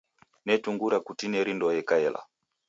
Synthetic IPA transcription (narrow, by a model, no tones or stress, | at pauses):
nɛtuŋɡuɾakutinɛɾindɔjɛkaɛlʔa̰